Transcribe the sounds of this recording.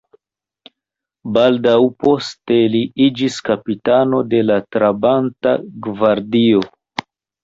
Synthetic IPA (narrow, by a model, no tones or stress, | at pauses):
baldawpo̞ste̞liid͡ʒiskapitano̞de̞latɾabanta̰ɡvaɾdio̞